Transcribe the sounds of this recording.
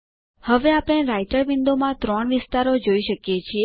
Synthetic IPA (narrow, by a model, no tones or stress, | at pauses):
həʋeapɽ̃eɾaiʈəɾʋɪnd̪omãt̪ɾɔɳ̃ʋɪst̪aɾod͡ʒoiʃəkjet͡ʃʰie